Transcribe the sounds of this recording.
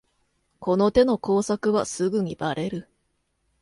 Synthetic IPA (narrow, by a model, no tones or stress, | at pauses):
kʰo̞no̞t̪e̞no̞ko̞ːsakɯ̟βasɨɡɯ̟ɲ̟ibaɾʔe̞ɾɯ̟